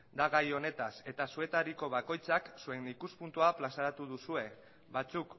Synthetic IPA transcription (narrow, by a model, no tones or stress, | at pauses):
d̪aɣajo̞ne̞t̪ase̞t̪asue̞t̪aɾiko̞β̞ako̞jt͡saksue̞nikuspunt̪uaplasaɾat̪uðusue̞ | bat͡suk